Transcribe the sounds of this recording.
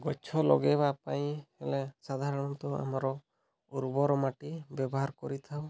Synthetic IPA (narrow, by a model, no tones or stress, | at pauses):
ɡɔt͡ʃʰɔlɔ̰ɡɛbapaj̃ɛlesad̪ʱaɾɔɽ̃ɔt̪ɔa̰maɾɔ | uɾbɔɾɔmaʈibjɛbɔɦaɾkɔɾit̪ʰaw